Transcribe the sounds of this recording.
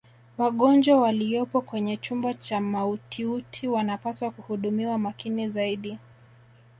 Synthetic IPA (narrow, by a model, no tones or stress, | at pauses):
waɠɔnd͡ʒwawalijɔpɔkwɛɲɛt͡ʃumbat͡ʃamautʰiutʰiwanapaswakuhuɗumiwamakinizaiɗi